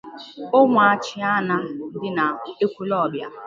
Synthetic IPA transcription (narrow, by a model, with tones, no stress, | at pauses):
o˦ŋʷʊ˨a˨t͡ʃɪ˦a˦na˦n̩˦dɪ˦na˨e˦kʷu˦lɔ˦˨bja̰˦